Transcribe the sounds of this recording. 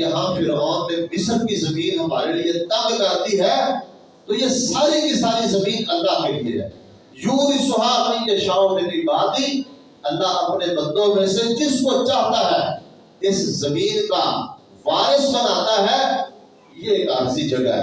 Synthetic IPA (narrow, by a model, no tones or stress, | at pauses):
jɐɦãfʰɪɾɔːnt̪ẽbɪsəbkizɐmĩːnɦɐmaːɾeliet̪ɐɡkɐɾt̪iɦɛː | t̪oːjesaːɾikisaːɾizɐmĩːnɐlːaːɦkeliḛɦɛ̰ː | juːd̪isʊɦaːbnikeʃaːonẽbʱikaːt̪i | ɐlːaːɐpnebə̃nd̪õmẽsed͡ʒɪskot͡ʃaːt̪aɦɛː | ɪszɐmiːnka | ʋaːɾɪsbənaːt̪aɦɛː | jeeːkaːɾsid͡ʒɐɡa̰ɦɛ̰